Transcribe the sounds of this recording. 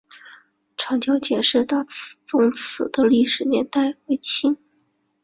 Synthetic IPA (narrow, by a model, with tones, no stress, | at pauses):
ʈ͡ʂʰɑ˧˥ŋt͡ɕjɑ˥ʊt͡ɕjɛ˨˩nʂɻ̩˥˧t̪a˥˩t͡s̩ʰ˧˩t͡sʊ˧˥ŋt͡s̩ʰ˨˩d̪ə˦li˥˩ʂɻ̩˨˩njɛ˧˥nt̪a˥˩ɪwe˧˥ɪt͡ɕʰi˥n